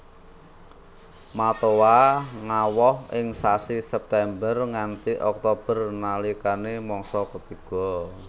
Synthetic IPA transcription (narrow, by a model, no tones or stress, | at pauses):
mat̪owaŋawɔhɪŋsasisɛp̚t̪ɛmbərŋant̪iʔɔk̚t̪ob̥ərnalikanemɔŋsɔkət̪iɡ̥ɔ